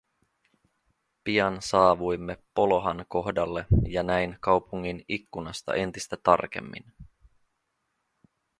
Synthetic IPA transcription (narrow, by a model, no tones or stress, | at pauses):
piɑnsɑːʋujmːe̞pːo̞lo̞ɦɑnko̞hdɑlːe̞jɑnæjnkɑwpuŋːinikːunɑst̪ɑ̰ʔe̞nt̪ist̪æt̪ɑ̰rk̟e̞̰mːḭn